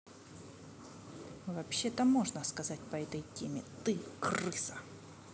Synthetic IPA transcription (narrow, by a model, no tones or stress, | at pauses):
vɐpɕːe̞t̪əmo̞ʐnəskɐzatʲpɐɛt̪əjtʲemʲɪt̪ɨkrɨsə̥